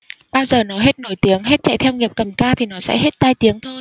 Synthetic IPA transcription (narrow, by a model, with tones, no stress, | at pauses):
ɓaː˧wzəː˨˩nɔ˨˦ɦe˦˥t̚no˧˩jt̪i˨˦əŋɦe˦˥t̚t͡ɕa̰˧˨jt̪ʰɛ˧wŋi˨˩əp̚kə˨˩mkaː˧t̪ʰi˨˩nɔ˨˦sɛ̰˧˥ɦe˦˥t̚t̪aː˧jt̪i˨˦əŋt̪ʰo˧j